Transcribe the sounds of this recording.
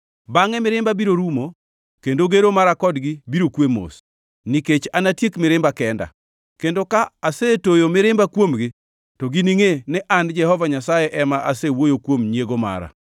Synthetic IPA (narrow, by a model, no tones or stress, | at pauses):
baŋɛmɪɾɪmbabiɾoɾumo | kendoɡeɾomaɾakɔdɡibiɾokwemo̰s | niket͡ʃanatjekmɪɾɪmbakɛnda̰ | kendokaːsetojomɪɾɪmbakwomɡɪ | tɔɡiniŋenɛʔand͡ʒɛhɔvaɲasajɛʔɛmaʔasewojokwomɲjeɡoma̰ɾa̰